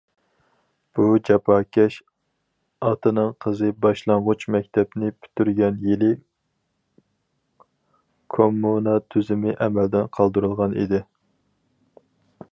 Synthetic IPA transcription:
b̥ud͡ʒɑpʰɑːkʲʰɛʃ | ɑt̪ɨnɨŋqʰəzɨbɑʃlˠɑɴʁʊt͡ʃmɛk̚ʲt̪ʰɛpnɪpʰy̥t̪ʰyɾɡʲɛnjelɪ | kʰomːunɑt̪ʰyzɪmɪʔɛmɛld̪ɪnqʰɑlˠd̪uɾɨlˠʁɑnḭd̪ɪ

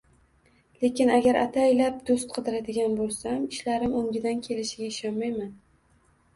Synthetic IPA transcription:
le̞kʲɪnaɡʲaɾʔa̰t̪ʰajlap̚d̪ost̪̚qʰɨd̪ɪɾad̪ɪɡʲanbolˠsamɪʃlaɾɪmʊŋɡʲɪd̪ankʲʰe̞lɪʃɪɡʲaɪʃɒnmajman

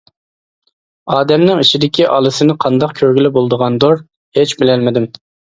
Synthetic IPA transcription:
ɑːd̪ɛmnɪŋiʃid̪ɪkʲiʔɑlˠɨsɪnɪqʰɑnd̪ɑqkʲʰøɾɡʲilɪbolˠd̪əʁɑnd̪oɾ | het͡ʃbɪlɛlmɪd̪ɪm

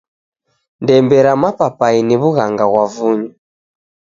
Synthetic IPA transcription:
ndɛmbɛɾamapapainiβuɣaŋɡaɣwavuɲa

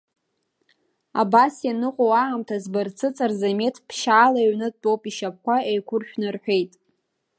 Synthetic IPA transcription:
a̰basjanɨqʷʼowaamtʰazbɨrt͡sʰɨt͡sʼarzame̞tʰpʰʃaːlaɥnɨtʼowpʼiʃap̚kʷaejkʷʊrʃᶣnɨrħʷᶣe̞jtʼ

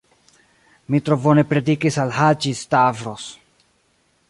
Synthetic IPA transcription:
mitɾovonepɾe̞dikisalɦat͡ʃistavɾos

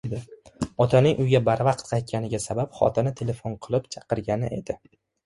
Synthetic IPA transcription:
d̪ɪɒt̪ʰanɪŋʔʊjɡʲabaɾvɑqt̪̚qʰɑjt̪̚kʲanɪɡʲasabapχɒ̰t̪ʰɪnɪt̪ʰe̞le̞fonqʰɨlˠɪpt͡ʃʰɑqɨɾɡʲanɪʔe̞d̪ɪ

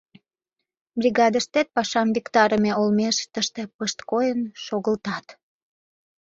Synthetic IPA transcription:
brʲiɣɑd̪əʃt̪et̪̚pɑʃɑmvʲikt̪ɑɾəmeolmeʃt̪əʃt̪e̽pəʃt̪kojənʃoɣəlt̪ɑt̪

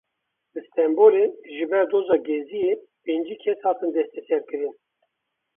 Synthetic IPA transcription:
lɨst̪ɛmboːɾeʒɨbɛɾd̪ozɑːɡɛzijepend͡ʒiːkʰɛshɑːt̪ɨnd̪ɛst̪ɛsɛɾkɨɾɨn

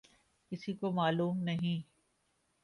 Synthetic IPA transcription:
kɪsikomaːluːmnɐɦĩ

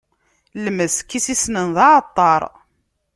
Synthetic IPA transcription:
lməskːisisnənðɑʕt̪ˤːɑɾˤ

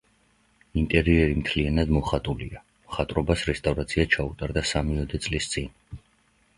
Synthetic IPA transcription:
int̪ʼɛɾiɛɾimt̪ʰlianad̪mɔχat̪ʼulḭa | mχat̪ʼɾɔbasɾɛst̪ʼavɾat̪sʰiat͡ʃʰaut̪ʼaɾd̪asamiɔd̪ɛt̪sʼlist̪sʼin

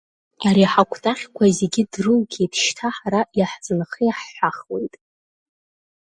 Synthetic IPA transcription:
aɾiħakʷʰtʼaχʲkʷʰaze̞ɡʲɪdrɨlɡʲetʰʃtʰaħaɾajaħt͡sʼɨnχəjaħːʷaχwe̞̰jtʼ

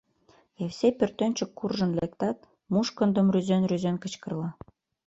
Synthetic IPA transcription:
ewsepørt̪ønʲt͡ɕəkːurʒə̆nlekt̪ɑt̪̚ | muʃkə̆nd̪ə̆mryzenryzenkət͡ɕkə̆rlɑ

